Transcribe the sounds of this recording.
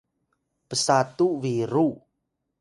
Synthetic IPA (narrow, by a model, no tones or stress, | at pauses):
pəsat̪uviɾu